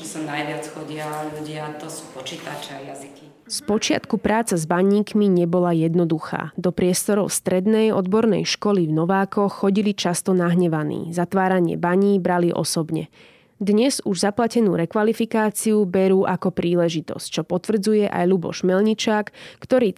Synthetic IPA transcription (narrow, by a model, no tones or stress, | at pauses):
ɛsanajʋɪat͡sxɔɟɪaʎuɟɪat̪ɔsu̥ːpɔt͡ʃit̪at͡ʃɛajaziki | spɔt͡ʃɪa̰t̪kupɾaːt͡sazbaɲiːkmiɲɛbɔlajɛd̪nɔd̪uxa̰ːd̪ɔpɾɪɛst̪ɔɾɔʊst̪ɾɛd̪nɛjɔd̪bɔɾnɛ̰jʃkɔlivnɔʋaːkɔxːɔɟilit͡ʃast̪ɔnaɦɲɛʋanḭːzat̪ʋaːɾaɲɪɛ̰baɲiːbɾaliʔɔ̰sɔbɲɛ̰ | d̪ɲɛzuʒzaplacɛnuːɾɛkʋalifikaːt͡siubɛɾuːʔakɔpɾiːlɛʒit̪ɔ̰sct͡ʃɔpɔt̪ʋr̩d͡zujɛʔa̰jlubɔ̰ʃmɛlɲit͡ʃaːkːt̪ɔɾiː